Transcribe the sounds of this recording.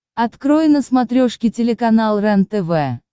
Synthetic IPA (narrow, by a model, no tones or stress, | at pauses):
ɐt̪kɾojɪnəsmɐt̪ɾʲoʂkʲɪtʲɪlʲɪkɐnalˠrɛnt̪ɛvɛ